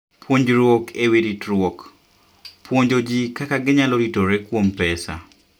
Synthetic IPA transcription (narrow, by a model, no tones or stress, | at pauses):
pʰwoɲd͡ʒɾwokʰewiɾitɾwok | pwoɲd͡ʒod͡ʒikakaɡɪɲaloɾitoɾekwompɛsa̰